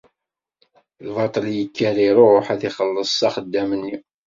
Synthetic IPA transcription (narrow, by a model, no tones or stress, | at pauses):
lvɑt̪ˤljəkʰːæliɾˤoɾħæθiχəlːəsˤːɑχəd̪ːæmənːi